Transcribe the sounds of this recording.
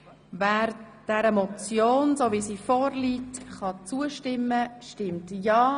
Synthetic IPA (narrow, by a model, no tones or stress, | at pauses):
væːɾd̥ɛɾəmɔt͡sjoːnsoːvisiːfɔːɾliːtχɑt͡suəʃtɪmːəʃtɪmtjɑː